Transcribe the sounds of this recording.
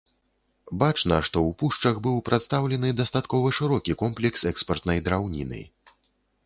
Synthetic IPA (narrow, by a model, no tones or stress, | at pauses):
bat͡ʂnɐʂt̪ɔwpuʂt͡ʂɐɣbɨwpɾʔat̪st̪awlʲɛnɨd̪ast̪at̪kɔvɐʂɨɾɔkʲikɔmplʲɛksɛkspɐrt̪nɐjd̪ɾawnʲḭnɨ̰